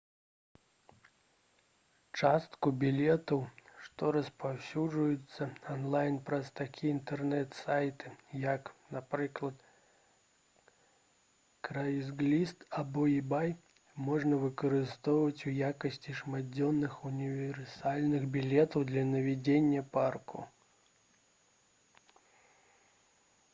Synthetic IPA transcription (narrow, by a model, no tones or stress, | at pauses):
t͡ʂast̪kʊbʲɪlʲet̪əwʂt̪ɔɾəspawsʲuʐʊjʊt̪sːəɐnlˠajnpɾɐst̪akʲʰijəint̪ɛrnɛt̪sajt̪ɨ̥jaknɐpɾɨklˠət̪ | kɾajɪzɡlʲist̪ɐboɪbaj | mo̞ʐnəvɨkəɾɪst̪ovəvətʲvjakəsʲtʲɪʂmadʲonːɨxʊnʲɪvʲɪrsalʲnɨxbʲɪlʲet̪əfd̪lʲɐnəvʲɪdʲenʲɪjəparkʊ̰